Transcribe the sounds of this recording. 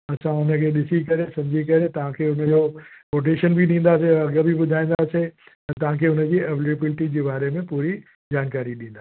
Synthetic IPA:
ɐt͡ɕʰãʊnə̆kʰeːɗɪsikɐɾesɐ̃md͡ʑikɐɾet̪ɐʋ̤ãkʰeʊnə̆d͡ʑopoːʈ̬eːʃənbʱiɗĩːn̆d̪aːseɐɡəbʱiɓʊd̪ʱaːĩːn̆d̪aːse | ɛ̃t̪ɐʋ̤ãkʰeːʊnə̆d͡ʑiːɐʋləbɪlɪʈid͡ʑeːbaːɾemẽpuːɾi | d͡ʑaːnkaːɾiɗĩːn̆d̪aː

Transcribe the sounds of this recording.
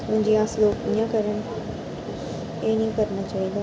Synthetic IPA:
t̪ʊ̃ɦɪ̃ɲd͡ʑiːaːsloːkĩːãkɐɾəñɪ̆ | ẽːnĩkɐɾñat͡ɕaːɦĩd̪aː

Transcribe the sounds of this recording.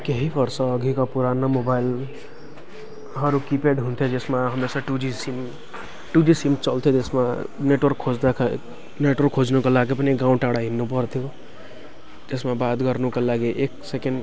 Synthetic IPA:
keɦikəɾsə̃ɡʱikapuɾanamobail | ɦəɾukipeɖɦunt̪ʰed͡ʒesmeɦəmesaʈud͡ʒisim | ʈud͡ʒisimt͡ʃəlt̪ʰed͡ʒesmeneʈwəɾkʰːod͡ʒd̪akʰ | neʈwəɾkʰːod͡ʒnukelaɡepneɡãũʈaɽaɦinːupəɾt̪ʰijo | d͡ʒesmebat̪ɡəɾnukelaɡeʔeksekeɳɖ

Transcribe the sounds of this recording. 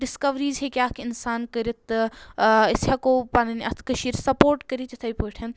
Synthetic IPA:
ɖɪskɐʋɾiːzɦekʲjaːkʰɪnsaːnkəɾit̪ | isakopanniʔɐt̪ʰkɐʃiːɾsɐpoːɾʈkəɾit̪ɐt̪ʰɐjpoːʈʰʲɐn

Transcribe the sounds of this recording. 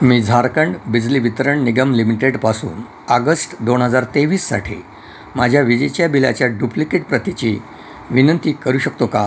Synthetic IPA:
miːd͡zʱaɾkəɳɖbid͡zliːʋit̪əɾəɳniɡəmlimiʈeɖpasṵːn | əɡəsʈd̪onɦəd͡zaɾt̪eʋiːsːa̰ʈʰḭ | mad͡ʑʱjaʋid͡ʑet͡ɕjabilat͡ɕjaɖuplikeʈ̚pɾət̪it͡ɕiː | ʋinənt̪iːkəɾuːɕək̚t̪oka

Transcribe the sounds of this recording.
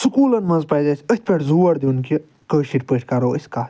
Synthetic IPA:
sukuːlɐnmɐnzpɐjzɐsʰʲət̪̚ʰʲpʰʲeʈʰzuːɐɾd̪iunki | kəːʃiʈʲpəʈʰʲkɐɾoːəsʲkaː

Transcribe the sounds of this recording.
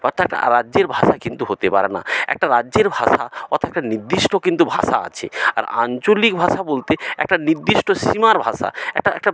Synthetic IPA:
batɛk̚ʈa̰ɾadːʑeɾbʱaʃakint̪uɦot̪epa̰ɾena̰ɛ̰k̚ʈaɾadːʑeɾbʱaʃa̰ɔt̪ʰoɛk̚ʈaniɾd̪iʃʈokint̪ubʱa̰ʃa̰a̰t͡ɕʰḛa̰ɾa̰nt͡ɕolik̚bʱaʃabolt̪eɛ̰k̚ʈaniɾd̪iʃʈoʃimaɾbʱaʃa̰ɛ̰k̚ʈaɛk̚ʈa

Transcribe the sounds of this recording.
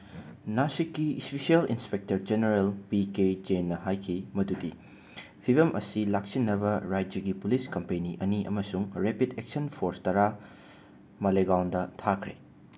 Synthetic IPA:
nasikːispisiɐlḭnspek̚tɐɾd͡ʒeneɾelpiked͡ʒenːɐhajkʰimɐdudi | pʰibɐmʔɐ̰silaksinːɐbɐɾajdd͡ʒɐɡipuliskɐmpeniʔɐniʔɐ̰mɐsuŋɾepidek̚sɐnpʰoɾstɐɾa | mɐleɡawndɐtʰakʰɾḛ

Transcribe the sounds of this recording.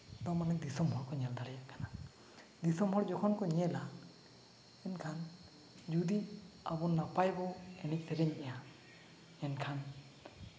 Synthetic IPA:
t̪ɔmanɛd̪isɔmɦɔɾkʰɔɲɛld̪aɾɛjakana | d̪isɔmɦɔɾd͡ʒɔkʰɔnkʰɔɲɛla | ɛnkʰan | d͡ʒud̪i | abɔnːapajbɔɛnɛk̚sɛɾɛɲɛja | ɛnkʰan

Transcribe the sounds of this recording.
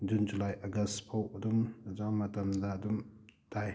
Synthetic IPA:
d͡ʒund͡ʒulajʔɐɡɐstpʰowɐdumzaŋmɐtɐmdadumd̥aj

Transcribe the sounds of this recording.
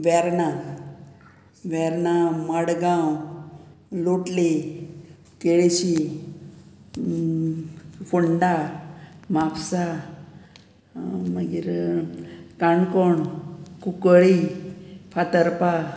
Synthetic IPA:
ʋɛɾna | ʋɛɾnaməɽɡãw | loʈle | keɭeɕi | fuɳɖa | mapsa | məɡiɾ | kaɳkɔɳkukəɭi | pʰat̪əɾpa

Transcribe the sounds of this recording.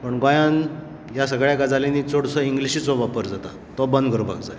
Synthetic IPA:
pəɳɡajãn | jas̬əɡɭjakad͡zalenit͡soɽsəiŋɡliɕiːt͡sɔʋapəɾd͡zat̪a | t̪ɔbənd̪kəɾũba̰ɡd͡zae

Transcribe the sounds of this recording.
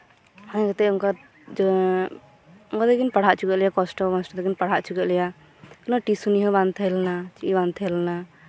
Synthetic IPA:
hãɲɡɛt̪ɛɔŋka | d͡ʒ | ɔŋkad̪ɛɡinpaɽ̤aʔt͡ʃukɛʔlɛjakɔsʈɔkɔsʈɔd̪ɛɡinpaɽ̤aʔt͡ʃʰukɛʔlɛja | knɔʈisuniɦɔ̃bant̪ʰɛlnat͡ʃiʔibant̪ʰɛlna

